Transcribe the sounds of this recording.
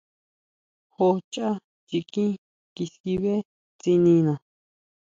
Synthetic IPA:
ho˧t͡ʃa˦ | t͡ʃi˧kĩ˦ | ki˧si˧βe˦ | t͡si˧nĩ˧nã˨

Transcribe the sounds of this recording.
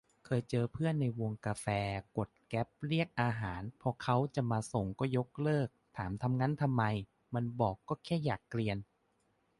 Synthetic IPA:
kʰɤː˧jt͡ɕɤː˧pʰɯ˥˩ənːa˧jwo˧ŋkaː˧fɛː˧ko˨˩t̪̚kɛ˦˥p̚ɾi˥˩ək̚ʔaː˧ɦaː˩˦npʰɔ˧kʰa˦˥wt͡ɕa˨˩maː˧so˨˩ŋkɔː˥˩jo˦˥k̚lɤː˥˩k̚t̪ʰaː˩˦mt̪ʰa˧mŋa˦˥nt̪ʰa˧mːa˧j | ma˧nbɔː˨˩kːɔː˥˩kʰɛː˥˩jaː˨˩kːɾi˧ən

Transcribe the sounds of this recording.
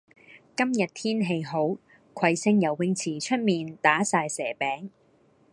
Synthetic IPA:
kɐ˥mjɐ˨t̚t̪ʰiː˥nɦe˧jɦo˨˥w | kʷʰɐ˧jsɪ˧˥ŋjɐ˨˩wːɪ˧ŋt͡sʰiː˨˩t͡ʃʰɵ˥t̚miː˨nt̪aː˨˥saː˧jsɛː˨˩pɛː˨˥ŋ

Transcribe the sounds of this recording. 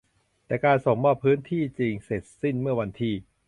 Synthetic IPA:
t̪ɛː˨˩kaː˧nso˨˩ŋmɔː˧˩pʰɯː˦˥nt̪ʰiː˥˩t͡ɕi˧ŋse˨˩t̪̚si˥˩nmɯ˥˩ɐwa˧nt̪ʰiː˧

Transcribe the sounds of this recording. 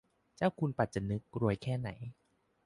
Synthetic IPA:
t͡ɕaː˥˩wkʰu˧npa˨˩t̪̚t͡ɕa˨˩nɯ˦˥k̚ɾu˧əjkʰɛː˥˩na̰˩˦j

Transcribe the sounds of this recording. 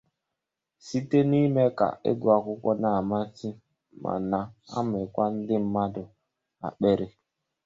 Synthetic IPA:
si˦te˦ni˦me˦ka̰˨ḛ˦ɡʊ˨a˨kʷʊ˦kʷɔ˦na˨ma˦ti˦ | mʔa̰˨na˨a̰˦mɪ˨kʷa˦n̩˦dɪ˦m̩˦ma˦dʊ˨ | a̰˨ɓe˦ɾe˦

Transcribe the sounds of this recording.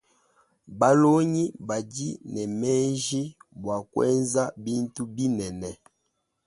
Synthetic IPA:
ba˦lo˦ɲi˦ba˨ɟi˦nɛ˨mɛ˦ʒi˦bwa˨kwɛ̰˦nza˦bi˦n˦tu˦bi˦nɛ˨nɛ˨

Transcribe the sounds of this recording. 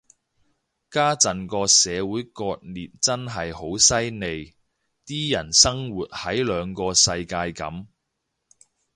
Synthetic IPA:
kaː˥t͡sɐ˨nkɔː˧sɛː˨˧wuː˨˥jkɔː˧t̚liː˨p̚t͡sɐ˥nɦɐ˨jho˨˥wsɐ˥jne˨j | t̪iː˥jɐ˨˩nsɐ˥ŋwuː˨t̚hɐ˨˥jlœː˨˧ŋkɔː˧sɐ˧jkaː˧jkɐ˨˥m

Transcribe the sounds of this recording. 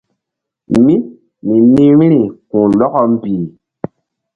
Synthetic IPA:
mi˦ | mi˨ni˦ɾi˦ɾi˨kũ˨lɔ˦kɔ˦m̩˦bi˨

